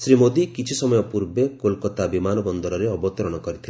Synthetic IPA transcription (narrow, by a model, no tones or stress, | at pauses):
sɾimod̪ikit͡ʃʰisɔmɔjɔpuɾbekolkɔt̪abimanɔbɔnd̪ɔɾɔɾeɔbɔt̪ɔɾɔɽ̃ɔkɔɾit̪ʰile